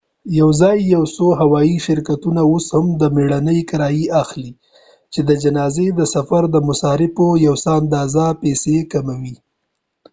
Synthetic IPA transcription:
jawzɑjːawsoɦawɑiʃɪɾkat̪unaoshamd̪əmeɽanəjkaɾɑjiaxli | t͡ʃed̪əd͡ʒanɑzed̪əsafaɾd̪əmʊsɑɾɪfojawsaand̪ɑzapesekamawi

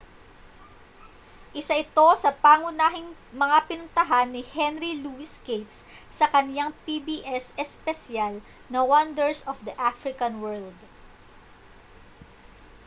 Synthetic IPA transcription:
ʔɪsaʔɪt̪o̞sɐpaːŋʊnaːɦɪŋmɐŋapɪnʊnt̪ɐɦanːɪhɛnɾiluɪskejt̪s | sɐkɐnjaŋpibiːʔɛsɛspɛsjal | nɐwɐnd̪ɛɹsɔfd̪ɐʔafɾɪkɐnwɛɹld̪

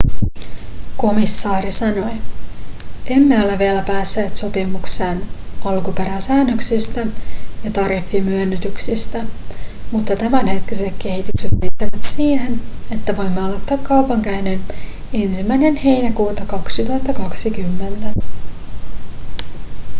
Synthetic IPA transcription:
ko̞misːɑːɾisɑno̞j | e̞mːeolːeʋielæpæːsːeːt̪so̞pimukseːnɑlkupeɾæsæːnːøksist̪æjɑt̪ɑɾifːimyønːyt̪yksist̪æmut̪ːɑt̪æmænhe̞t̪kise̞k̪k̟e̞ɦit̪ykset̪meːt̪ːæʋæt̪siːhe̞ne̞t̪ːæʋo̞jmːeɑlot̪ːɑːkkːɑwpɑŋkæinen | e̞nsimːæjne̞nhe̞jnækuːt̪ɑkɑksit̪uɑt̪ːɑkɑksikymːe̞nt̪æ

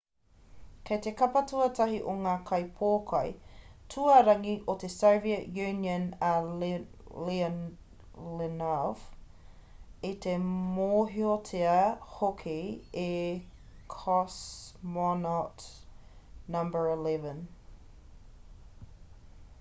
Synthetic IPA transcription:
kʰejt̪ekɐpɐtuɐtʰɐɦiʔoŋaːkʰɐjpʰoːkʰɐjtʰuɐɾɐŋiʔot̪esowviəʔjʉnjə̃nə | li | lenav | it̪emoːɦiotʰeɐhokʰee | kʰɔsmɔnɔt | nɐ̃mbə˞ilɛvə̃n

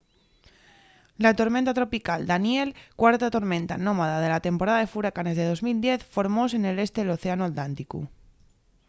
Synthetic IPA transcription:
lat̪o̞ɾmẽnt̪at̪ɾo̞pikald̪anje̞lkwaɾt̪at̪o̞ɾmẽnt̪anomaðað̞e̞lat̪e̞mpo̞ɾaðaðe̞fuɾakane̞zðe̞ð̞o̞zmild̪je̞θfo̞ɾmos̬ene̞le̞st̪e̞ðelo̞θe̞anuat̪lant̪ikṵ

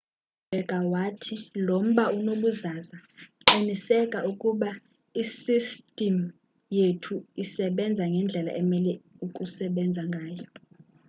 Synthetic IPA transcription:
b̥ʱɛɡ̥ʱawatʰilom̩ɓaunoɓuzazaǃinisɛkʼaʔukʼuɓa | isistʼim | jetʰuisɛɓɛnd͡zʱaŋɡʱɛnd͡ɮʱɛla̰ʔɛmɛlɛukʼusɛɓɛnd͡zʱaŋɡʱaːjɔ

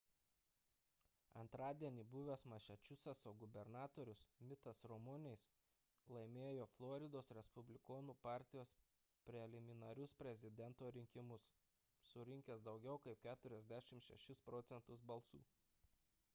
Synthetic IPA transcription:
ɐ̰nt̪ɾɑːd̪ʲiɛnʲiːbʊʋʲesmɐʃʲɛt͡ʃʲʊsʲɐsoːɡʊbʲɛɾnɑːt̪oːɾʲʊsmʲɪt̪ɐsɾɔmʊnʲɛɪs | lˠɐɪmʲeːjoːflˠɔːɾʲɪd̪oːsɾʲɛspʊbʲlʲɪkoːnuːpɑːˑɾʲt̪ʲɪjoːs | pʲɾʲɛlʲɪmʲɪnɐɾʲʊspʲɾʲɛzʲɪd̪ʲɛnt̪oːɾʲɪŋʲkʲɪmʊs | sʊɾʲɪŋʲkʲɛsd̪ɒʊɡʲɛʊkɐɪp̚kʲæːt̪ʊɾʲɛzʲd̪ʲæʃʲɪmʃʲɛ̰ʃʲɪspɾɔːt̪sʲɛnt̪ʊsbɐlˠsṵː

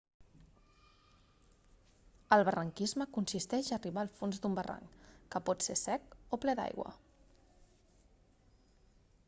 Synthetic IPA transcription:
əlˠβərəŋkizməkunsist̪ɛʒəːriβaːlˠfonzd̪umbəra̰ŋkəpɔt̪sesɛkoplɛd̪a̰jɣwə̰

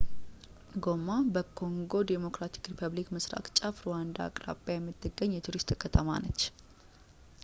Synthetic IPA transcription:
ɡomabəkʰo̞ŋɡo̞d̪emo̞kɾat̪ʰi̥kɾipʰəβlikmɨsɾa̰kt͡ʃʼafɾowand̪a̰kʼɾa̰bjajɛmːɨt̪ʰːɨɡːəɲːjɛt̪ʰuɾist̪ʼkʰət̪ʰəma̰nət͡ʃː

